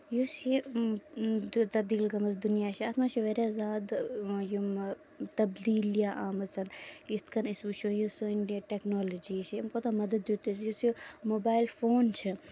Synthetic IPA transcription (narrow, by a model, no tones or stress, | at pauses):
jusi | t̪ɐb̚d̪iːlɡɐmɐsd̪unjaːt͡ʃʰiɐt̪ʰmaːt͡ʃʰuʋeɾʲazaːd̪jum | t̪ɐbd̪iːljaʔaːmɐt͡sʰɐnist̪kʰɐnisut͡ʃʰojusɨniʈeknoːlɐd͡ʒiːt͡ʃʰimkoːt̪amɐd̪əd̪jut̪isjusumobaːilfoːnt͡ʃʰi